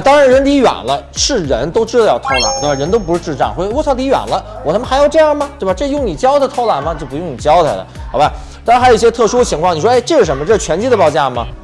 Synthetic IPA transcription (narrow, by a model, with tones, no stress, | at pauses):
t̪ɑ˥ŋɻa˧˥nɻə˧˥nt̪i˧˥ɥa̰˨˩nlə˦ʂɻ̩˥˩ɻə˧˥nt̪o˥ʊʈ͡ʂɻ̩˥d̪ə˨˧jɑ˥˩ʊt̪ʰo˥ʊla̰˧˩˦t̪ba˧˩ɻə˧˥nt̪o˥ʊp̬ʂɻ̩˥˧ʈ͡ʂɻ̩˥˧ʈ͡ʂɑ̰˥˩ŋxɔ˥˧˥w̪ʰɑ˥t̪i˧˥ɥa̰˨˩nlə˦wɔ˨˩a˥m˥˧xa˧˥ɪjo˧˩ʊʈ͡ʂɤ˥˧jɑ˥˩ŋmɐ˩t̪we˥˧˩ba˧ʈ͡ʂɤ˥˩jʊ˥˩ŋni˨˩t͡ɕjɑ˥ʊd̪ʰə˧˩t̪ʰo˥ʊla˨˩nmɐ˧t͡ɕjo˥˩ʊpu˧˥jʊ˥˩ŋni˨˩t͡ɕjɑ˥ʊt̪ʰə˨˧˩d̪ə̰˩xɑ˧˥ʊba˧˩ | t̪a˥ɻa˥xo˨˩˧i˧˩jɛ˥t̪ʰɤ˥˩ʂu˥ə˩t͡ɕʰi˧˥ŋkʰwɑ˥˩ŋni˩ʂwɔ˥e˥˧ɪʈ͡ʂɤ˥˧ʂɻ̩˥˩ʂə˧˥mə˧ʈ͡ʂɤ˥˩ʂt͡ɕʰɥɛ˧˥nt͡ɕi˧˥d̪ə˧pɑ˥˧ʊt͡ɕja˥˩mɐ̰˩